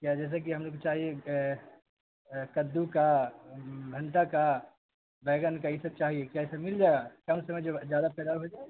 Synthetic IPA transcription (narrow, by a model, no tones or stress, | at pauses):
kjad͡ʒɛːs̬ek̬iɦɐmloːɡkot͡ʃaːɦie | kəd̪ːuka | bʱəɳʈaka | bɛːɡənkaisəb̚t͡ʃaːɦiekjaisəmild͡ʒaɡakɐmsəməjd͡ʒozjad̪apɛːd̪aɦod͡ʒae